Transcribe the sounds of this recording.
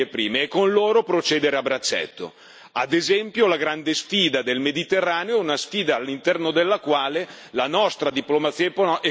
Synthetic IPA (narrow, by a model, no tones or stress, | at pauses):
epɾiːmeɛkːonloːɾopɾot͡ʃeːd̪eɾeabɾat͡ʃːɛ̰t̪ːo̰ | ad̪ezɛmpjolaɡɾand̪esfiːd̪ad̪elmed̪it̪erːaːneoɛunasfiːd̪aːlːint̪ɛrnod̪elːakwaːle | lanɔst̪ɾad̪iplomat̪sːiːep